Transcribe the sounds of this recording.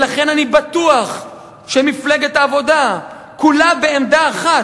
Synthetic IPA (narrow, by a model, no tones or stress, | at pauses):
laχe̞nanibat̪uaχ | ʃemifleɡet̪aːvo̞d̪a | kulabe̞emd̪aːχa